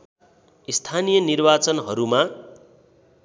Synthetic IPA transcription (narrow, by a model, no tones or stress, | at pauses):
ist̪ʰanijʌnirbat͡sʌnɦʌɾuma